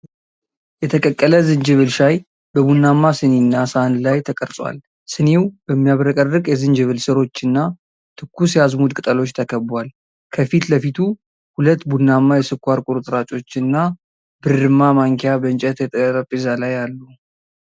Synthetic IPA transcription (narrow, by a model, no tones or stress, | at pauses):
jɛt̪ʰəkʼəkʼːələzɨnd͡ʒɨβɨlʃaj | bəbunːamːasɨnenːasanlajt̪ʰəkʼəɾsʼwa̰l | sɨnewbəmːijaβɾəkʼərɨkʼjɛzɨnd͡ʒɨβɨlsɨɾo̞t͡ʃːɨnːa | t̪ʰɨkʰːusjazmud̪kʼɨt̪ʼəlo̞t͡ʃːt̪ʰəkʰəbwal | kʰəfit̪ləfit̪ʰu | hulət̪ːbunːamːajɛsɨkːʷaɾkʼuɾut̪ʼɨɾat͡ʃʼo̞t͡ʃːɨnːa | bɨɾːɨmːamaŋkʰejabənt͡ʃʼɛt̪jɛt̪ʼəɾəpʼizalajalːu